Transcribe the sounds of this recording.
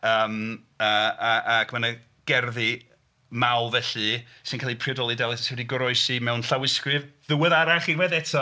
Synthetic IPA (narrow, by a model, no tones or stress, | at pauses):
əːm | əaakʰmanə | ɡ̥ɛrði | mawˠvɛɬɨ | sɪnkʰaːlˠipʰrɪdɔlˠidɛlˠɪsɛwɛdiɡʊɾɔɨsimɛwnɬawɪskrɨvðʊwəðaɾaχinwɛðɛtʰɔ